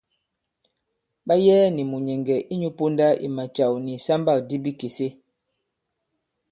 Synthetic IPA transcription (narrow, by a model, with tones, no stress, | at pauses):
ɓa˦jɛː˦ni˨mu˨ɲɛ˨ŋɡɛ˨ʔi˦ɲu˦po˦nda˦ʔḭ˨ma˨t͡ʃa˨wni˨sa˦mba˦˨k̚di˦bi˦ke˨se˦